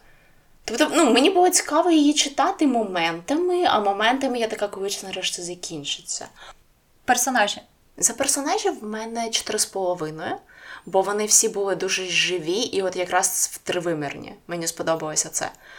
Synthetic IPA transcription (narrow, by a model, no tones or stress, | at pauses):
t̪ɔpt̪ɔnumenʲibʊlˠɔt͡sʲi̥kɑʋɔjijit͡ʃɪt̪ɑt̪ɪmɔmɛnt̪ɐmɪɐ̰mɔmɛnt̪ɐmɪjat̪ɐkakɔɪt͡ʃnɐɾɛʃt̪ʲɪzɐkʲinʲt͡ʃɪ̥t͡sʲːɐ̰ | persɔnɑʒʲɪ | zɐpersɔnɑʒʲiwmɛnɛt͡ʃɔ̥t̪ɪɾɪspɔlˠɔʋɪnɔjɛbɔʋɔnɪwsʲibʊlˠɪd̪uʒɛʒɪʋʲiʔiɔt̪jɐkɾɑswt̪ɾɪʋɪmɪ̰rnʲḭmɛnʲispɔd̪ɔbɐlˠɔsʲɐt̪sɛ̰